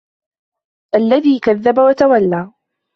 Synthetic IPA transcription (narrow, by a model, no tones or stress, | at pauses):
ʔalːaðiːkaðːabawat̪awalːaː